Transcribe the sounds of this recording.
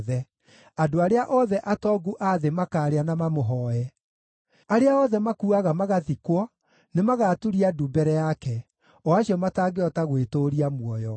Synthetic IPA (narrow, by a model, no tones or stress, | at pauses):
ðɛ | adoaɾeaʔɔðɛʔatɔɡuʔaðemakaːɾeanamamoɦɔɛ | aɾeaɔðɛmakuaɣamaɣaðikwɔ | nemaɣatuɾiadubɛɾɛjakɛ | ɔaɕiɔmataːɡeɔtaɣwetoɾiamwɔjɔ